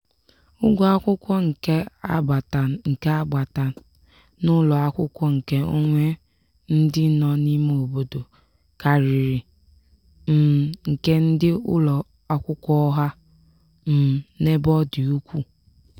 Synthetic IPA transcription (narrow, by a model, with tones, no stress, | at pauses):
ʊ˦ɡʷɔ˨a˦kʷʊ˦kʷɔ˦ŋ̩˨ke˦a˦a˨ta˨ŋ̩˨ke˦a˦ɡ͡ba˨ta˨ | nʊ˦lɔ˨a˦kʷʊ˦kʷɔ˦ŋ̩˨ke˦o̰˦ŋʷe˦ | n̩˦dɪ˦nɔ˦ni˦me˦o˨bo˨do˨ | ka˨ɾɪ˨ɾɪ˨ | m̩˨ŋ̩˨ke˦n̩˦dɪ˦ʊ̰˦lɔ˨ | a˦kʷʊ˦kʷɔ˦ɔ˦ɦa˦ | m̩˨ne˦bɔ˦dɪ˨u˦kʷu˦